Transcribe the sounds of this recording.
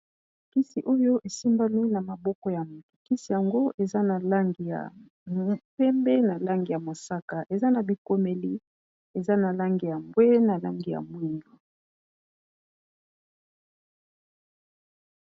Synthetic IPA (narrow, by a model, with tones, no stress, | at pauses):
ki˦si˨ʔo˦jo˦ʔe˨si˦mba˦nwi˦na˨ma˨bɔ˦kɔ˦ja˨mu˨tu̥˨ki˦si˨ja˨ŋɡo˦ʔe˨za˦na˨la˦ŋɡi˨ja̰˨ | pɛ˦mbɛ˦na˨la˦ŋɡi˨ja˨mo˨sa˦ka˨ʔe˨za˦na˨bi˨ko˦me˨li˦ | e˨za˦na˨la˦ŋɡi˨ja˨mbwe˦na˨la̰˦ŋɡi˨ja̰˨mwi˦ŋɡu˨